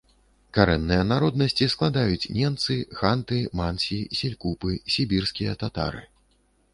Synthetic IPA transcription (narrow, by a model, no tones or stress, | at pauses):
kaɾɛnːɨjɐnaɾɔd̪nɐsʲt͡sʲisklˠad̪ajut͡sʲnʲɛmt̪sɨxant̪ɨmansʲisʲɛlʲkupɨsʲibʲirskʲijɐt̪at̪a̰ɾɨ